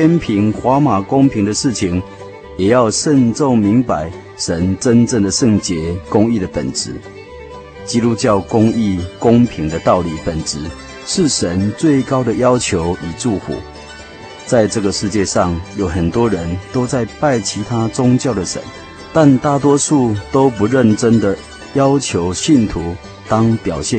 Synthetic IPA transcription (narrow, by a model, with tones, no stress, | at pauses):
t̪ʰjɛ˥npʰi˧˥ŋxwa˧˥˦ma˨˩kʊ˥ŋpʰi˧˥ŋd̪ə˨ʂɻ̩˥˩t͡ɕʰi˨ŋ | jɛ˨˩jɑ˥˧ʊʂə˥˧nʈ͡ʂo˥˩ŋmi˨˧˥ŋpa˧˦ɪ | ʂə˧˦nʈ͡ʂə˦nʈ͡ʂə˥˩ŋd̪ə˨ʂə˥˩ŋt͡ɕjɛ˧˦˥kʊ˥ŋi˥˩d̪ə˩pə̰˨˩nt͡sɻ̩˧˦ | t͡ɕi˥lu˦t͡ɕjɑ˥˩ʊkʊ˥ŋi˥˩kʊ˦ŋpʰi˧˥ŋd̪ə˨t̪ɑ˥˩ʊli˨˩pə˨˩nt͡sɻ̩˧˦ | ʂɻ̩˥˩ʂə˧˦nt͡swe˥˩ɪkɑ˥ʊd̪ə˨jɑ˥ʊt͡ɕʰjo˧˦ʊi˨˩ʈ͡ʂu˥˩fṵ˨˦ | t͡sa˥˧ɪʈ͡ʂə˥˩ɡə˩ʂɻ̩˥˧t͡ɕjɛ˥˧ʂɑ˥˩ŋjo˨˩ʊxə˨˩nt̪wɔ˦˥ɻə˨˦nt̪o˥ʊt͡sa˥˧ɪpa˥˨ɪt͡ɕʰi˧˥t̪ʰa˥t͡sʊ˥ŋt͡ɕjɑ˥˩ʊd̪ə˨˩ʂə̰˧˦n | t̪a˥˨nt̪a˥˨t̪̬wɔ˥ʂu˥˩t̪o˥ʊpu˧˦ɻə˥˨nʈ͡ʂə˥nd̪ə˨ | jɑ˦ʊt͡ɕʰjo˧˦ʊɕi˥˩nt̪ʰu˨˧˦ | t̪ɑ˥ŋpjɑ˨˩ʊɕjɛ˥˨